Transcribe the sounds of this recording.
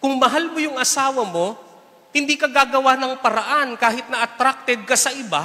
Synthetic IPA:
kʊŋmɐɦalmojʊŋʔɐsaːwɐmo̞ | hɪnd̪iːkɐɡaːɡɐwanɐŋpɐɾɐʔankaːɦɪt̪nɐʔɐt̪ɾak̚t̪ɛd̪̚kɐsɐʔɪba̰

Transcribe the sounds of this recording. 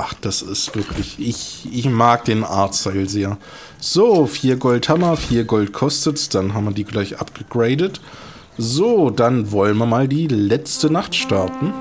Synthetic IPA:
ʔaχd̥asɪstv̥ɪɐkʰlɪçʔɪçʔɪçmaːk̚d̥eːnʔa̰ɐtt͡staɪlzeːɐ | z̥oːfiːɐɡɔlthamɐfiːɐɡɔltkʰɔstətd̥anɦaːbm̩viːɐdiːɡlaɪçʔa̰pɡ̥əɡ̥ʁeɪdət | zoːdanvɔlənviɐmaːldiːlɛt͡stənaχtʃtaɐtn̩

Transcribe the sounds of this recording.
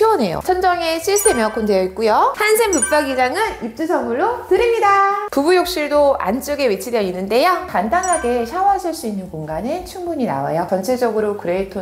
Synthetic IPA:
t͡ɕʰione̞jo̰sʰʌnd͡ʑʌŋe̞ɕʰist͈ʰemjʌk͈ʰːondejʌit̚k͈ujosʰansʰempuk̚p͈aɡid͡ʑaŋɯnip̚t͡ɕ͈usʰʌŋmuɭːotɯɾimɲidapubujok̚ɕ͈iɭdoa̰nt͡ɕ͈ɯɡe̞wit͡ɕʰidjʌinːɯnde̞jʌkandanɦaɡe̞ɕʰawaɕʰiɭs͈uinːɯnkoŋɡanet͡ɕʰuŋbuɲina̰wa̰jʌt͡ɕʌnt͡ɕʰed͡ʑʌɡɯɾokɯɾetʰo

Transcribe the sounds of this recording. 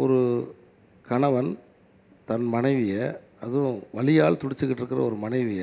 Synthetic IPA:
ɔɾɯ | kɐɳɐʋɐn | t̪ɐnmɐɳɐɪʋɪjɐ | ɐðɯ̃ʋɐɭɪjaːlt̪ʊɽɪt͡ʃːɯkːɪʈːɪɾɯkːɪɾɐ̰ɔɾɯmɐɳɐɪʋɪjɐ

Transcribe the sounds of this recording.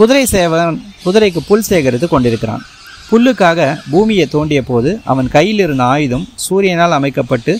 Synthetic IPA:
kʊðʊɾɐɪseʋɐnkʊðʊɾɐɪkːɯpʊlseːɣɐɾɐt̪ːɯkɔɳɖɪɾɯkːɪɾa̰ːn | pʊɭːɯkːaːɣɐbuːmɪjɐt̪ːoːɳɖɪjɐpoːðɯʔɐ̰ʋɐnkɐjːɪlɪɾɯnd̪ɐaːjɯðɯmsuːɾɪjɐnaːlɐmɐɪkːɐpːɐʈːɯ

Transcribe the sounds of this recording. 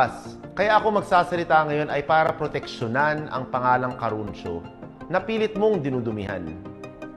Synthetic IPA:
skɐjaʔɐkomɐɡ̚saːsɐlɪt̪aŋɐjo̞nʔɐjpaːɾɐpɾot̪ɛk̚ʃonanɐ̰ŋpɐŋaːlɐŋkɐɾunt͡ʃo̰nɐpiːlɪt̪̚mo̞ŋd̪ɪnuːd̪ʊmɪɦa̰n

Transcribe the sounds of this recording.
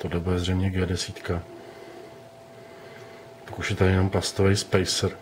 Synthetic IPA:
t̪odɛbuɛzrɛjmɲɛɡɛːdɛsiːt̪ka | pakuʃɛt̪ajɛnomplast̪ovɛjspɛjsɾ

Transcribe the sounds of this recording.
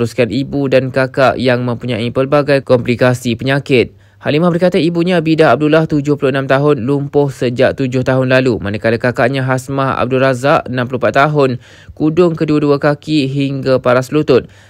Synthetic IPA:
ɾuskanibudankakaʔjaŋmə̃mpuɲãipərbaɡajkɔmplikasipəɲãkɪt̪̚ | halimahbərkat̪aibuɲãbidaɦab̚dulaht̪ud͡ʒʊhpulʊənãmt̪aɦʊnlumpʊhsəd͡ʒaʔ̚t̪ud͡ʒʊht̪aɦʊnlalumanakalakakaʔɲãɦasmaha̰b̚duɾazaʔənãmplumpat̪ːaɦʊn | kudʊŋkəduaduakakiɦiŋɡapaɾaslut̪ʊt̪̚

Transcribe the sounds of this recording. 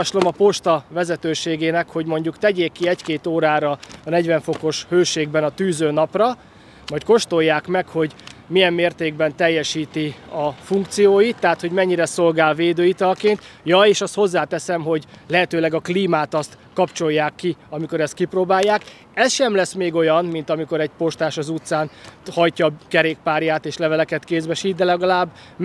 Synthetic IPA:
ɒʃlo̞mɒpo̞ʃt̪ɒvɛzɛt̪øːʃeːɡeːnɛkho̞ɟmo̞ɲɟukt̪ɛɟeːkːiɛckeːt̪oːɾaːɾɒːnɛɟvɛɱfo̞ko̞ʃhøːʃeːɡbɛnɒt̪yːzøːnɒprɒ | mɒc̚ko̞ʃt̪o̞jːaːkmɛkho̞ɟmijɛmːeːrt̪eːɡ̚bɛnt̪ɛjːɛʃiːt̪iɒfuŋk̚t̪sijoːjit̪ːɛɦat̪ho̞ɟmɛɲːiɾɛso̞lɡaːlveːd̪øːit̪ɒlkeːnt̪jɒeːʃɒst̪ho̞zːaːt̪ɛsɛmɦo̞ɟlɛɦɛt̪øːlɛɡɒkliːmaːt̪ɒst̪ | kɒpt͡ʃo̞jːaːkːiɒmiko̞ɾɛst̪kiproːbaːjːaːk | ɛsʃɛmlɛsmeːɡo̞jɒnmint̪ɒmiko̞ɾɛɟpo̞ʃt̪aːʃɒzut̪saːnhɒjcɒkɛɾeːk̚paːɾjaːt̪eːʃlɛvɛlɛkɛt̪keːzbɛʃiːd̪d̪ɛlɛɡɒlaːbː

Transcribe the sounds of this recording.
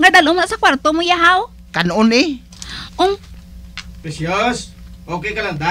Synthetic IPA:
ŋadalomaʔsakwaɾt̪omʊjaɦaw | kanʊni | ʊŋ | pesjosokekaland̪a

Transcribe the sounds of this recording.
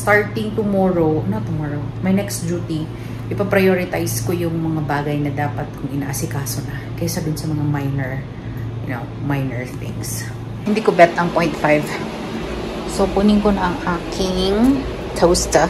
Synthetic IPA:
st̪aɹt̪ɪŋt̪ʊmoːɹoʔɐnot̪ʊmoɹomɐjnɛkst̪̚d͡ʒuːt̪i | ʔɪpɐpɾɐjoɹɪt̪ajskojʊŋmɐŋabaːɡɐjnɐd̪aːpɐt̪̚kʊŋʔɪna̰ːʔɐsɪkaːso̞nɐ | kɐsɐd̪ʊnsɐmɐŋamajnɛɹ | jʊno | majnɛɹθɪ̰ŋs | hɪnd̪iːkobɛt̪ɐɐŋpoj̃nt̪fajv | sopʊnɪŋkonɐʔɐŋʔaːkʰɪŋ | t̪ʰowst̪ɐ

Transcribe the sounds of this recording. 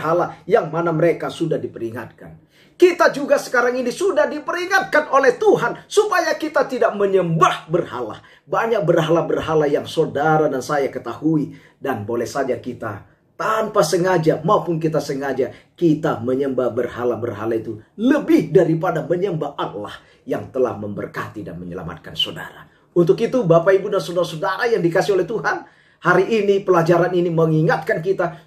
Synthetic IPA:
ɦalajaŋmanaməɾekasudahdipəɾiŋa̰t̪̚ka̰n | kit̪ad͡ʒuɡasə̥kaɾaŋinisudahdipəɾiŋat̪̚kanolɛht̪uɦansupajakit̪at̪idak̚məɲəmbahbərha̰la̰ | baɲak̚bərɦalabərɦalajaŋsodaɾadansajakət̪ahui | danbolɛhsad͡ʒakit̪a̰ | t̪ampasəŋad͡ʒamaupʊnk̬it̪asəŋad͡ʒakit̪aməɲəmbabərhalabərɦalait̪uləbɪhdaɾipadaməɲəmbaʔala̰h | jaŋt̪əla̰hməmbə̰rka̰t̪ida̰nməɲəla̰ma̰t̪̚kansoda̰ɾa | unt̪ʊkit̪ubapaibudansodaɾasodaɾajaŋdikasiolɛht̪uɦan | haɾiʔːnipəlad͡ʒaɾaniniməŋiŋat̪̚kank̬it̪a

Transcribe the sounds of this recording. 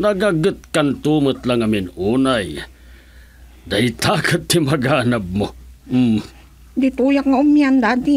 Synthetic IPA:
nɐɡaɡɨt̪̚kant̪uːmət̪laŋɐmɪnuːnaj | d̪ɐjt̪aːkɨt̪̚ːɪmɐɡaːnab̚mom̩m | d̪it̪ujakŋaʊmjand̪ad̪i

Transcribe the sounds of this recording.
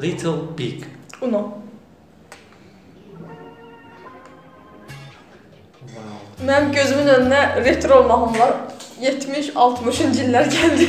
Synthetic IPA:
lit̪ʰlˠbiɡuno | mæɟø̞zymynønynæɾet̪ʰɾolˠmɑʁɯmlˠɑɾjet̪ʰmiʃɑlˠt̪ʰmɯʃynd͡ʒilːæɾɟæld̪i

